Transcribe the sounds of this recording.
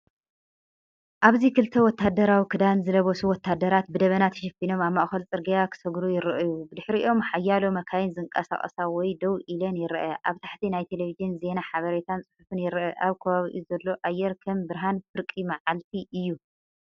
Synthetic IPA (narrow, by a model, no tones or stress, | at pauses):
ʔaβzikɨlt̪ʰɐwɔt̪ʰːad̪ɐɾawikʰɨd̪anzɨlɐβosuwɔt̪ʰːad̪ɐɾat̪̚bɨd̪ɐβɐnat̪ʰɐ̥ʃɐfino̞maβmɐʔxɐlt͡sʼɨɾɡɐjakʰɨ̥sɐɡɾujɪɾɨʔɨjubɨd̪ɨħɾiʔʔo̞mħajːalomɐkʰajɪnzɨŋkʼɐsa̰χʼɐ̰sawɔjd̪ɐwʔilɐnjɪɾʔɐʔaβt̪ʰaħt̪ʰinajt̪ʰe̞levizɨnze̞naħaβɐɾet̪ʰant͡sʼɨħufɨnjɪɾʔɐʔaβkʰɐβaβiʔizɐlːo̞ʔajːɛɾkʰɐmbɨɾɦanfɨɾkʼimaʕalt̪ʰiʔɨjːu